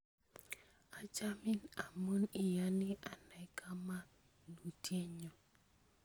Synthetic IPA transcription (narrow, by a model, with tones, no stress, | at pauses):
a˦d͡ʒa˦mɪ˦na˨mo˦nɪ˨ja˦nɪ˦ʔa˨na˨˦kʰa˦ma˦ | nu˨tje˦ɲo˨